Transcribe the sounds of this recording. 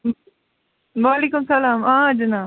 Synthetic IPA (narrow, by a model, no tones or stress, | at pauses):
ʋaːleːkʊmsɐlaːmãːd͡ʒɐnaː